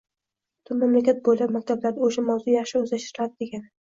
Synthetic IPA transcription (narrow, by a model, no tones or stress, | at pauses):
t̪ʰʊmamlakʲat̪̚bojlapmakʲt̪ʰablaɾd̪aoʃamawzʊjɑχʃɪɵzlaʃt̪ɪɾɪlad̪ɪd̪e̞ɡʲan